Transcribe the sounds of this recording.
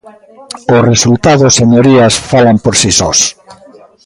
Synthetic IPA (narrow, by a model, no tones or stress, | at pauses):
ʊresult̪aðʊseɲoɾiasfalampoɾsisɔs